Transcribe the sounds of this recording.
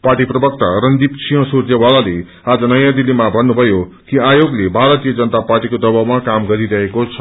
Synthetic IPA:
parʈiprʌbʌk̚t̪aɾʌnd̪ipsʰiɦʌ̃surd͡zʌwalale | ad͡zʌnʌjãd̪ilːimabʱʌnːubʱʌjo | kiajoɡlebʱaɾʌt̪ijʌd͡zʌnʌt̪aparʈikod̪ʌbawmakamɡʌɾiɾʌɦekot͡sʰʌ̥

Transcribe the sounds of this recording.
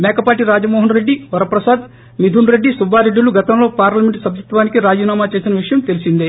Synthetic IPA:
mɛːkɐpaːʈiɾaːd͡ʒɐmoːɦɐnɾeɖːiʋɐɾɐpɾɐsaːd̪ | mid̪ʱunɾe̞ɖːisubʱaːɾeɖːuluɡɐt̪ɐmlo̞ːpaːɾlɐme̞ɳʈsɐbʱjut̪ːʋaːnikiɾaːd͡ʒinaːmaːt͡ʃe̞ːsinɐʋiʂɐjɐmt̪elisind̪i

